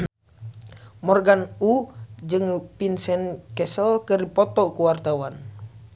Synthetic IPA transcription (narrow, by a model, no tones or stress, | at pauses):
mɔrɡanud͡ʒɨŋpinsɛnkɛsɔlkəripɔt̪ɔkuwart̪awan